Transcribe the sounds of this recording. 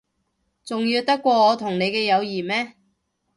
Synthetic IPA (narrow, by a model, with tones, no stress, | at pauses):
t͡sʊ˨ŋjiː˧wt̪ɐ˥kːʷɔː˧ŋɔː˨˧t̪ʰʊ˨˩ŋne˨˧jkɛː˧jɐ˨˧wjiː˨˩mɛː˥